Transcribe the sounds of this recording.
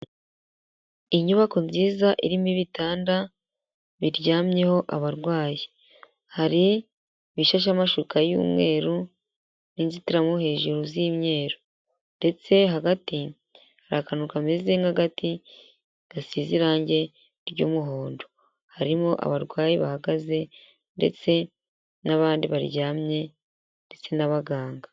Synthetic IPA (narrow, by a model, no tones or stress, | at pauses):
iɲuβako̞nziːzaʔiɾimiβitaːnda | βiɾɟaːmɲe̞ho̞ʔaβaɾɡwaːji | haɾi | βiʃaʃ̬amaʃukajṵːmŋe̞ːɾu | ninzitiɾamohe̞ːʒuɾuziːmɲe̞ːɾo | nde̞t͡se̞ɦaɡati | haɾakanukamezeŋɡaɡati | ɡ̥asiːziɾaːɲɟe̞ | ɾɟṵːmuɦoːndo | haɾimoʔa̰βaɾɡwaːjeβahaɡaze̞ | nde̞̰t͡se̞ | naβaːndiβaɾjaːmɲe̞ | nde̞t͡se̞naβaɡaːŋɡa